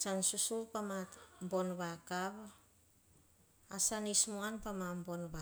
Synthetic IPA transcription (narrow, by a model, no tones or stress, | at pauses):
t͡ʃansusupamatmbo̞nβakaβ | asanismuanpamambo̞nβa